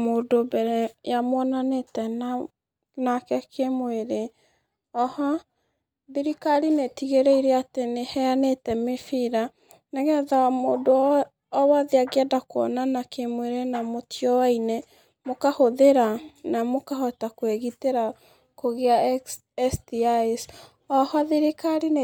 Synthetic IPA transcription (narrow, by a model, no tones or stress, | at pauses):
moːdobɛɾɛjamwɔnanetɛna | nakɛkʰemweɾe | ɔha | biɾikaɾinetiɣeɾeiɾeatenehɛanetɛmefiɾa | naɣɛðamoːdoː | waðeaɡeadakoɔ̰nanakemweɾenamotiɔwaine | mokahoðeɾanamokahɔtakweɣiteɾa | koɣea | ɛstiaes | ɔhɔðiɾikaɾin